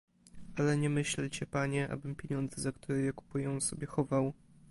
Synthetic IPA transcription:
ʔalɛɲɛmɘɕlt͡ɕɛpaɲɛʔa̰bɘmpʲjeɲɔnd̪zɛzakt̪uɾɛjɛku̥pujɛw̃sɔbʲjɛxɔvaw

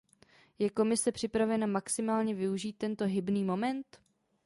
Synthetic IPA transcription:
jɛko̞mɪsɛpr̝̥ɪpɾavɛnamaksɪmaːlɲɛvɪuʒiːt̪̚ːɛnt̪o̞ɦɪbniːmo̞mɛnt̪

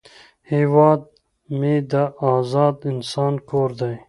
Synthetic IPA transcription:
heːwɑːd̪̚ | med̪aɑːzɑːd̪ɪnsɑːnkoːɾd̪aj

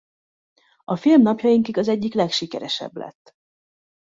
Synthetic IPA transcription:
ɒfilmnɒpjɒjiŋkiɡɒzɛɟːiklɛkʃikɛɾɛʃɛ̰blɛ̰t̪ː

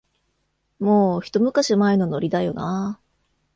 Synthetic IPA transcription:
moːçi̥t̪o̞mɯ̟kaɕimaeno̞no̞ɾʲid̪ajo̞na

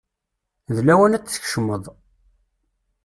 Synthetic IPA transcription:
ðlæwænæt͡sːθə̥çʃəmːəðˤ

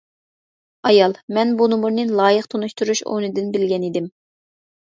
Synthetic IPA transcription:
ɑjɑlˠmɛnbunɨmuɾnɨnlˠɑːjəqt̪ʰonuʃt̪ʰuɾuʃo̰nɨd̪ɪnbɪlɡʲɛnid̪ɪm

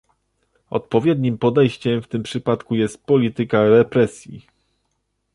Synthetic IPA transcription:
ɔ̰t̪pɔvʲjɛd̪ɲimpɔd̪ɛjɕt͡ɕɛmft̪ɘmpʂɘpat̪kujɛst̪̚pɔlʲit̪ɘkaɾɛpɾɛsʲjḭ

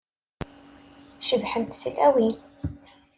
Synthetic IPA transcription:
ʃəvħənt̪θəlæwi

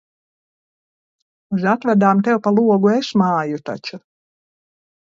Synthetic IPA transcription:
uzat̪væd̪aːmt̪ɛwpalˠuɔɡuesmaːjut̪a̰t͡ʃu

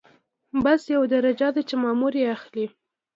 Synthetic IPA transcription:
basjawd̪aɾad͡ʒɑd̪at͡ʃemɑmuɾjeaxli

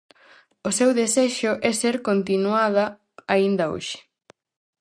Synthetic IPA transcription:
ʊsewðesɛʃʊʔɛseɾkont̪inuaðɐ | aind̪ɐo̰ʃɪ̥

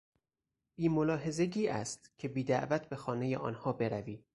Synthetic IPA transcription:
b̥iːmolɒːɦe̞ze̞ɟiːʔæ̰st̪cʰe̞biːd̪æʔvæt̪̚ʰbe̞xɒːne̞jeʔɒ̰ːnhɒːbe̞ɾæviː

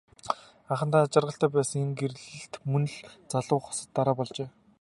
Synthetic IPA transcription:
aχə̆nt̪aːat͡ɕɪ̆rʁə̆ɬt̪æːpæːsə̆ŋeŋɡer̆ɮɘ̆ɬt̪mɵnɵ̆ɮt͡saɮʊːχʊ̥sə̆t̪ːaɾaːpɔɮt͡ɕeː

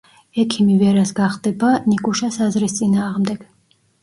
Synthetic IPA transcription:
ɛkʰimivɛɾasɡaχd̪ɛbanikʼuʃasazɾist̪sʼinaːʁmd̪ɛɡ̥

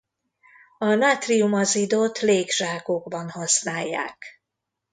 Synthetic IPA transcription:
ɒnaːt̪riumɒzid̪oːt̪leːɡʒ̥aːkoɡbɒnhɒsnaːjːa̰ːk

